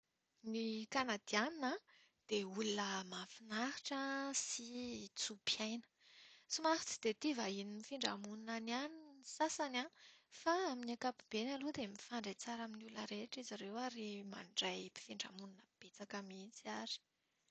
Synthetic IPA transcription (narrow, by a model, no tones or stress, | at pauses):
nikanad̪ianina | d̪̥eulunəmafinaɦiʈ͡ʂəsit͡supjajnə̥ | sumafi̥t͡si̥d̪̥et̪ivainimifiɳɖ͡ʐa̰muninanianisasanafaaminakapib̥enalud̪emifaɳɖ͡ʐet͡saɾaminuləɾeʈ͡ʂizaɾewaɾima̰ɳɖ͡ʐajpi̥fiɳɖ͡ʐa̰muninəb̥et͡sakamit͡siaɾi̥